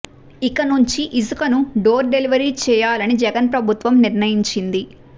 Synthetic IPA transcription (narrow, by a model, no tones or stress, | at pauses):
ikɐnuɲt͡ʃiʔisukɐnuɖoːɾɖe̞liʋɐɾiːt͡ʃɛːjaːlɐnid͡ʒɛɡɐnpɾɐbʱut̪ʋɐmniɾnɐjiɲt͡ʃind̪i